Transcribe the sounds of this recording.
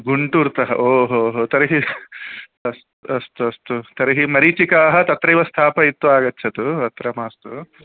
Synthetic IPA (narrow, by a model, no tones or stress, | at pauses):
ɡuɳʈuːɾt̪ɐɦɐ̰ʔoːɦoːɦoːt̪ɐɾɐɦi | ɐst̪ɐst̪uɐst̪ut̪ɐɾɐɦimɐɾit͡ʃikaːɦɐt̪ɐt̪ɾɐjiʋɐst̪ʰaːpɐit̪ːuaːɡɐt͡ʃːt͡ʃʰːɐt̪uɐt̪ɾɐmaːst̪u